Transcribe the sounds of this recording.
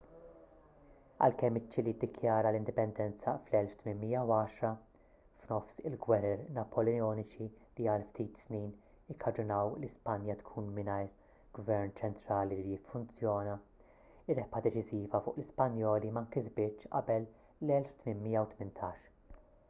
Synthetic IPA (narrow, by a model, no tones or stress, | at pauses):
ɐ̰lkɛmːɪt͡ʃːilid̪ːɪkjɐːɾɐlɪnd̪ɪpɛnd̪ɛnt͡sɐflɛlft̪mɪnmiːjɐwɐːʃɾɐ | fnɔfsɪlɡwɛɾɛɾnɐpʰɔlɛɔːnɪt͡ʃiliɐlft̪iːt̪sniːn | ɪkʰːɐd͡ʒʊnɐwlispɐnjɐt̪kʰuːnmɪnɐjɾ | ɡ̥vɛɾnt͡ʃɛnt̪ɾɐːlilijɪfːʊnt͡sjɔːnɐ | ɪɾːɛpʔɐd̪ɛt͡ʃɪziːvɐfʊ̰ːʔlɪspɐnjɔːlimɐŋkɪzbɪt͡ʃt͡ʃːʔɐ̰bɛlː | ɛlft̪mɪnmɪːjɐwt̪mɪnt̪ʰɐːʃ